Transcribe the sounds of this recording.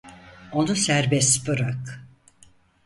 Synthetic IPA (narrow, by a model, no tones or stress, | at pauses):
o̞nusæɾbɛst̪bɯɾak